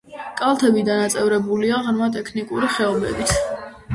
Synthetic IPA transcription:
kʼalˠt̪ʰɛbid̪anat̪sʼɛvɾɛbuliaʁɾmat̪ʼɛkʰnikʼuɾiχɛɔbɛ̰bit̪ʰ

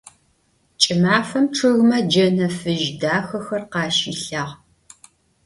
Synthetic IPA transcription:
t͡ʃʼɪmaːfɐmʈ͡ʂʰɨɣmɐd͡ʒɐnɐfɨʒdaːxɐxɐrqɑːʃiɬaːʁ

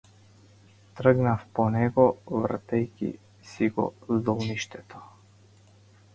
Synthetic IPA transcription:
t̪rəɡnafpɔnɛɡɔvr̩t̪ɛjkʲḭ | siɡɔ̰zd̪ɔlˠniʃt̪ɛt̪ɔ̥

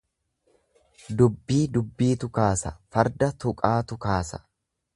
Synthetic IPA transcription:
d̪ʊbːiːd̪ʊbːiːt̪ʊkaːsɐfɐɾd̪ɐt̪ʊkʼaːt̪ʊkaːsɐ̥

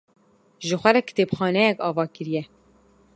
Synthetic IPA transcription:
ʒɨxʷɛɾɛkɨ̥t̪epxɑːnɛjɛkɑːvɑːkɨɾijɛ

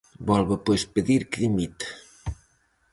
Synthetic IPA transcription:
bɔlβɐpojspɨðiɾkðimit̪ɐ̥

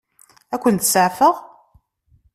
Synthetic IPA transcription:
ækʷːənt̪səʕfəʁ

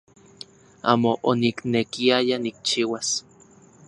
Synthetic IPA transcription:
a̰ːmoʔoniknekiajanik̚t͡ʃiːwas

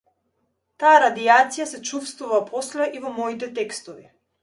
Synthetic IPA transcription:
t̪aaɾad̪iat̪sijasɛt͡ʃufst̪vuvapʰɔslɛʔivɔmɔit̪ɛt̪ɛkst̪ɔvi

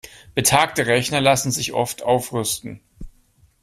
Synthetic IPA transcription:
b̥ətʰaːk̚təʁɛçnɐlasn̩zɪçʔɔ̰ftʰʔaʊfʁʏstn̩

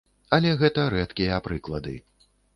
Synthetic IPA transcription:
ɐlʲɛɣɛt̪ɐɾɛt̪kʲijɐapɾɨklˠɐd̪ɨ̰

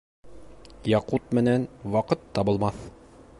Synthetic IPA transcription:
jɑqut̪mɘ̆nænwɑqɤt̪ʰːɑbɤ̆lˠmɑθ

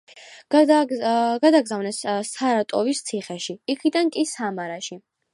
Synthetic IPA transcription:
ɡad̪aɡzavnɛsːaɾat̪ʼɔvist̪sʰiχɛʃiikʰid̪ankʼisamaɾaʃi

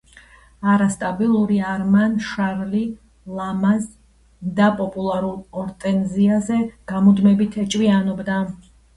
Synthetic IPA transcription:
aɾast̪ʼabilˠuɾiaɾmanʃaɾli | lˠamaz | d̪apʼɔpʼulˠaɾulˠɔɾt̪ʼɛnziazɛɡ̥amud̪mɛbit̪ʰɛt͡ʃʼwianɔbd̪a

